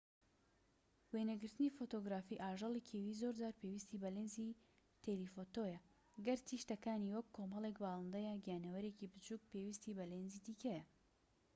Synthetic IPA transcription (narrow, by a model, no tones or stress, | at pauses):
weːnɐɡɨɾt̪ɨnifot̪oɡɾaːfiːʔaːʒɑlˠikʰeːwiːzoɾd͡ʒaːɾpʰewist̪ibɐleːnzi | t̪ʰelifot̪ojɐ | ɡɐɾt̪ʰiʃt̪ɐkaːniwɐkʰːomɐlˠekbɑːlˠɨnd̪ɐjɐɡijaːnɐwɐɾeːcibɨt͡ʃuk̚peːwist̪iːbɐleːnziːd̪ikɐjɐ